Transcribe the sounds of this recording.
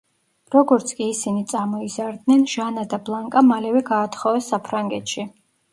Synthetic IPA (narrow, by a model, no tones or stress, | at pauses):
ɾɔɡɔɾt̪sʰkʼiːsinit̪sʼamɔizaɾd̪nɛnʒ̥anad̪ablˠaŋkʼamalɛvɛɡaːt̪ʰχɔvɛsːapʰɾaŋɡɛt̪ʰʃi